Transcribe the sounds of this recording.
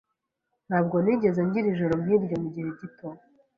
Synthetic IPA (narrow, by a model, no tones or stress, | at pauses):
n̥haːb̚ɡo̞niɟe̞zeɲɟiɾiʒoɾo̞miːɾɟomuɟihe̞ɟitʰo